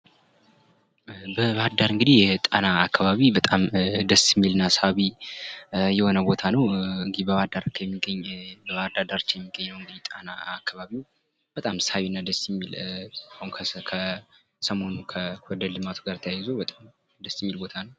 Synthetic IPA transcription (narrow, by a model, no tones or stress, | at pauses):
bəβad̪ːaɾɨŋɡɨd̪ihjɛt̪ʼanaːkːaβaβibət̪ʼamd̪əsjɛmːilɨnːasəaβi | jɛho̞nəbo̞t̪ʰanəwɨŋɡɨd̪ibəβad̪aɾkʰjɛmːiɡəɲːbəβad̪ad̪aɾt͡ʃːjɛmːiɡːəɲːnəwɨŋɡɨd̪it̪ʼanaːkʰːaβaβiw | b̥ət̪ʼamsawinːad̪əsjɛmːilahunkʰkʰə | səmo̞nukʰəwɔd̪əd̪lɨmat̪ʰuɡaɾt̪ʰəjajːɪzobət̪ʼam | d̪əsjɛmːilbo̞t̪ʰanəw